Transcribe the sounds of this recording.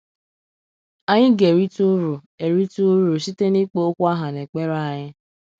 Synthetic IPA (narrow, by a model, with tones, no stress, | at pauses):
a˦ɲɪ˦ɡe˨ɾi˦tu˦ɾu˨ | e˨ɾi˦tu˦ɾu˨si˦te˦ni˦k͡po˦o˦kʷa˦ɦa˨ne˨k͡pe˦ɾa˦a˨ɲɪ˦